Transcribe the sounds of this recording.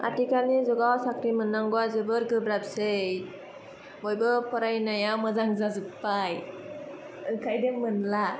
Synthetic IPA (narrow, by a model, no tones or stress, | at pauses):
a̰tikanizɔɡawsakɾimɯnːaŋɡɔwazɯbɯɾɡɯbɾap̚sej | bɔjbɯpɔɾajnajawmɯzaŋzazɯpːaj | ɯkʰajdeŋmɯnla